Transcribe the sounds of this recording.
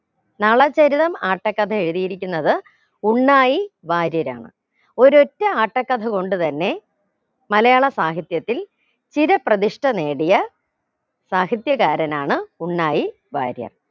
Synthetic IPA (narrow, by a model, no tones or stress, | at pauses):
nɐɭɐt͡ɕɐɾiðɐmaːʈːɐkːɐd̪ʰʱɐe̞ɻuðijiɾikʲːunːɐðɨ | uɳːaːjiʋaːɾjɐɾa̰ːɳɨ̰ | o̞ɾo̞tːɐaːʈːɐkːɐd̪ʰʱɐko̞ɳɖɨt̪ɐnːe̞ | mɐlɐjaːɭɐsaːɦit̪jɐt̪ːil | t͡ɕiɾɐprɐðiʂʈɐne̞ːɽijɐ | saːɦit̪jɐkaːɾɐnaːɳɨuɳːaːji | ʋa̰ːɾjɐ̰r